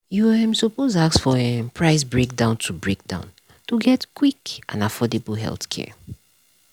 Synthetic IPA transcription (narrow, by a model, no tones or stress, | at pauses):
juãmsɔpozaksfɔɛpʰɹaɪsbɹek̚dãʊ̃ntʰubɹek̚dã̰ʊ̃n | tuɡɛtkʰwikʔã̰nafɔdebəlɦɛ̰lˠθkʰɛ̰